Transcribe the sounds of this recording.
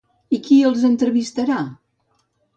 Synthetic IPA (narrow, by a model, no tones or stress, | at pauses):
ikiəlˠzənt̪ɾəβist̪əɾa